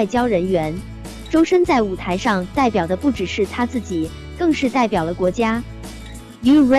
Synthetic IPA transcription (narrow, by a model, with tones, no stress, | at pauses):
ɪt͡ɕjɑ˥ʊɻə˧˥nɥɛ˧˥n | ʈ͡ʂo˥ʊʂə˥nt͡sa˥˩ɪu˨˩t̪ʰa˧˥ɪʂɑ˥˧ŋt̪a˥˩ɪpjɑ˨˩ʊd̪ə˦pu˥˩ʈ͡ʂɻ̩˨˩ʂɻ̩˥˩t̪ʰa˥t͡sɹ̩˥˩t͡ɕi˨˩ | kɤ˥˧ŋʂɻ̩˥˧t̪a˥˩ɪpjɑ˨˩d̪ə˦kwɔ˧˥t͡ɕja˥ | y˧˥e˥